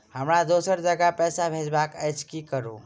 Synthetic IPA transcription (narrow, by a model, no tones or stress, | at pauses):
həmɾad̪osəɾd͡ʒəɡapɛːsabʱed͡ʒbakət͡ʃkikəɾo